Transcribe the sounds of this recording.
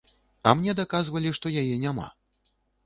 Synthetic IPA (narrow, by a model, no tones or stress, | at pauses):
ɐ̰mnʲɛd̪akazvɐlʲiʂt̪ɔjajɛnʲama̰